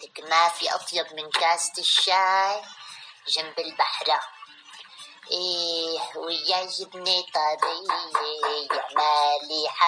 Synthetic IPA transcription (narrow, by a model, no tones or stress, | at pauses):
ɪkmafiʔɑ̰t̪ˤjɑb̚mɪnkaːst̪ɪʃːaʕɾʒambɪlbaħɾa | ʔe | wɪjːaʒɪbnit̪ˤɑɾi | jɪʕmaliħa